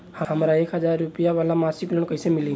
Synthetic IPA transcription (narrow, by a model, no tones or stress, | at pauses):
həɦəmɾaekɦəd͡ʒaɾːupijaʋalamasiklonkəɦisemilĩ